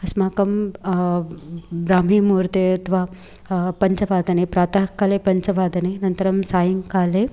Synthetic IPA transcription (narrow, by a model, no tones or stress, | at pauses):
ɐsmaːkɐm | ɾaːmiːmuːɾt̪eɐt̪ʰʋaː | pɐɲt͡ʃɐʋaːd̪ɐnipɾaːt̪ɐɦkːaːlepɐɲt͡ʃɐʋaːd̪ɐninɐnt̪ɐɾɐmsaːjɐŋkaːle